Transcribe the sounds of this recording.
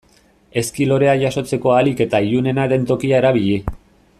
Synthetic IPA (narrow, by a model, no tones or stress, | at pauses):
e̞skilo̞ɾe̞aʝaso̞t͡se̞ko̞alike̞t̪aiʎune̞naðe̞nt̪o̞kiae̞ɾaβ̞iʎi